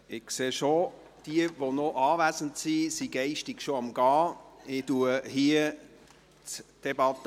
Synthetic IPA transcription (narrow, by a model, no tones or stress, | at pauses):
ɪkseːʃo | d̥iəʋonoʔɑːvæzən̩tsisiɡɛɪʃtɪɡʃoɑmɡɑːɪduəhiə | t͡sd̥ɛbɑt